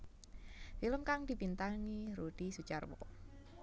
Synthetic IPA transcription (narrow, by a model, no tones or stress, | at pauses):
filəmkaŋd̥i̤pint̪aŋiɾud̥isut͡ʃarwɔ̰